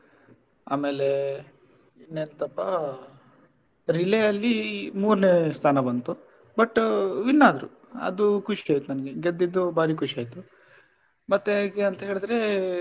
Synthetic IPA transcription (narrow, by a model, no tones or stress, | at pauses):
a̰ːme̞ːle̞ | inːent̪ɐpːɐ | ɾileɐlːimuːɾnest̪ʰaːnɐbɐnt̪u | bɐʈːʋinːaːd̪ɾṵ | ɐ̰d̪ukʰuʂiaːjt̪unɐnɡeɡed̪ːid̪ːubaːɾiːkʰuʂiaːjt̪u | mɐt̪ːeaːɡeɐnt̪ɐɦe̞ːɭd̪ɾe̞